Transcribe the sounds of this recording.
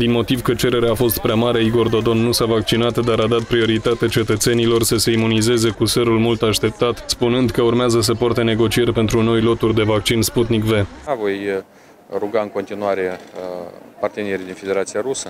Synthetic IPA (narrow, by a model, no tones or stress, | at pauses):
d̪inmo̞t̪ivkət͡ʃe̞ɾe̞ɾeaːfo̞st̪pɾeamaɾe̞iɡo̞rd̪o̞d̪o̞nːusavak̚t͡ʃinat̪d̪aɾad̪at̪̚pɾio̞ɾit̪at̪et͡ʃe̞t̪ət̪se̞nilo̞rsəse̞imunize̞ze̞kuseɾulmult̪aʃt̪e̞p̚t̪at̪spunɨnd̪kəurmeazəs̬əport̪e̞ne̞ɡo̞t͡ʃie̞rʲpe̞nt̪ɾuno̞jlo̞t̪urʲd̪e̞vakt͡ʃinsput̪nikve̞avo̞j | ruɡaɨŋko̞nt̪inuaɾe̞ | part̪enieɾid̪infed̪eɾat̪siaɾusə